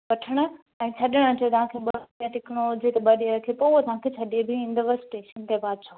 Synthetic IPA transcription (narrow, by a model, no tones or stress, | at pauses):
ʋɐʈʰəɽ̃ə̆ | ɛ̃ːt͡ɕʰɐɗɪɽ̃ət͡ɕot̪ɐɦãkʰeːɓɐãt̪ɪkɽ̃od͡ʑet̪ɐɓɐɗiɾɐkʰepouɦt̪ɐɦãkʰet͡ɕʰɐɗebʱɪĩːn̆d̪ʋəsʈeːʃənt̪ebaːd̪̚t͡ɕʰaː